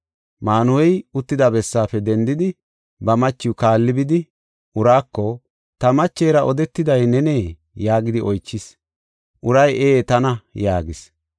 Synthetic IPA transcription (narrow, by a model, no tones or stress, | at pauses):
maːnʊwɛjʊt̪ːɪd̪ɐbɛsːaːfɛd̪ɛnd̪ɪd̪ɪ | bɐmɐt͡ʃːɪwʊkaːlːɪbɪd̪ɪ | ʔʊɾaːkːɔ | t̪ɐmɐt͡ʃːeːɾɐʔɔd̪ɛt̪ːɪd̪ɐjnɛneː | jaːɡɪd̪ɪɔjt͡ʃːɪs | ʔʊɾɐjʔeːt̪ɐnɐjaːɡɪs